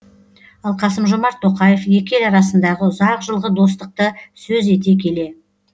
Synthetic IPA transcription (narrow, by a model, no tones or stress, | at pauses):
ɑlˠqʰɑsəmʒomɑɾt̪ʰːo̞qɑje̞fje̞kʲe̞lɑɾɑsənd̪ɑʁəʊzɑqʒəlˠʁəd̪o̞st̪əq̚t̪əsɵze̞t̪̬e̞kʲʰe̞le̞